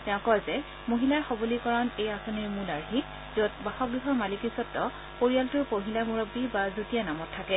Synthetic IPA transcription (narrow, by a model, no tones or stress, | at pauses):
tɛʊ̃kɔjzɛ | moɦilaɹxɔbolikɔɹanejasɔniɹmulaɹɦi | zot̚baxɔkɡɹiɦɔɹmalikisɔtːɔ | poɹijaltʊɹpoɦilamuɹobːibazotijanamɔtʰːakɛ